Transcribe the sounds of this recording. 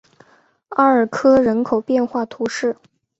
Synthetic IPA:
a˥˧ə˞˨˩kʰɤ˥ɻə˧˥nkʰo˨˩ʊpjɛ˥˧nxwa˥˩t̪ʰu˧˥ʂɻ̩˥˩

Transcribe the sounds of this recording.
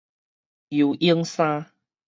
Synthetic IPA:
ju˨˩ʔi˦əŋsã˦

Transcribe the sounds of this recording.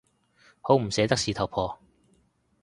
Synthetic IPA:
ho˨˥wm̩˨˩sɛː˨˥t̪ɐ˥k̚siː˨˧t̪ʰɐ˨˩wpʰɔː˧

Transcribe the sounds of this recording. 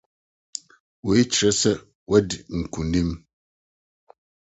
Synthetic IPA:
wo˨i˦t͡ʃɾɛ˦sɛ˦ | wʔa˦di˨ŋ̩˨ku˨ni˦m

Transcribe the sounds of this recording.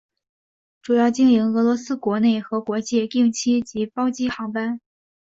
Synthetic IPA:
ʈ͡ʂu˨˩jɑ˥˧ʊt͡ɕi˥˩ŋi˧˥ŋɤ˧˥lwɔ˧˥sɹ̩˥kwɔ˧˥ne˥˩ɪxɤ˧˥kwɔ˧˥t͡ɕjɛ˥˧ki˥˧ŋt͡ɕʰi˥t͡ɕi˧˥pɑ˥ʊt͡ɕi˥xɑ˧˥ŋpa˥n

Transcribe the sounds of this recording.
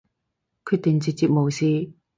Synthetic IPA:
kʰy˧t̪ːi˨ŋt͡ɕi˧t̚t͡ɕi˧p̚mo˨˩wsiː˧

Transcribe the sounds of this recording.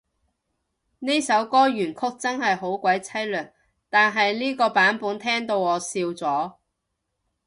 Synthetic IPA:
ni˥jsɐ˨˥wkɔː˥jyː˨˩nkʰʊ˥k̚t͡sɐ˥nhɐ˨jɦo˨˥wkʷwɐ˨˥jt͡sʰɐ˥jlœː˨˩k̚ | t̪aː˨nɦɐ˨jliː˥kɔː˧paː˨˥npuː˨˥nt̪ʰɛː˥ŋt̪o˧wɔː˨˧siː˧wt͡sɔː˨˥

